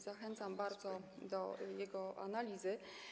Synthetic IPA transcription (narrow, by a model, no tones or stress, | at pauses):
z̥axɛnt̪sambaɾd̪zɔd̪ɔjɛɡɔa̰nalʲizɘ